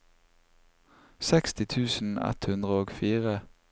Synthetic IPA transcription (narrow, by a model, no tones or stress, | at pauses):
sɛkst̪ɪt̪ʰʉːsn̩ɛ̰t̪hʉnd̪ʁəoːɡfiːʁə